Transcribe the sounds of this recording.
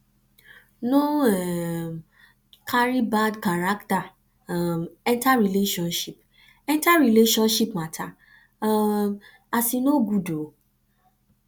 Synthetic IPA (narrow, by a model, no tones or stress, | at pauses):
nõɛ | kaɾibadkaɾakta | mɛ̃ntaɾileʃɔ̃nʃip | ɛ̃ntaɾileʃɔ̃nʃipmatʰa | asinoɡudo